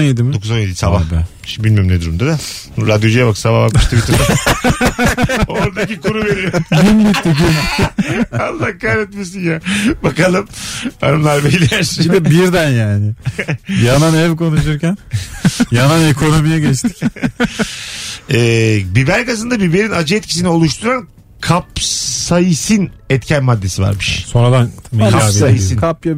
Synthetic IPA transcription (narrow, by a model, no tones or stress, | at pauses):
nje̞d̪imid̪o̞kʰuzonjed̪iisababɛ | bilʲmyjmned̪uɾumd̪ad̪aɾad̪jod͡ʒijabaksaβahbakmɯʃt̪ʰɯvit̪ɾa | ooɾd̪acikuɾuveɾijojimilʲit̪ːik̬i | alːakaɾɛt̪mes̬injaːbakalˠɯma̰nɯmlˠaɾbejlʲːijæɾsd̪ɛbiɾd̪ænjaːnɪjananɛvko̞nuʃ̬uɾcænjananekʰo̞no̞mijɛɟɛt͡ʃt̪ʰc | ɛːbibæɾkazɯnd̪abibe̞ɾinad͡ʒɯɛt̪̚cʰis̬inio̞lˠuʃt̪ʰuɾan | kʰapsajɯsɯnɛt̪cʰænmad̪ːe̞siva̰ɾmɯʃso̞nɾad̪anmekaaajisinʰapja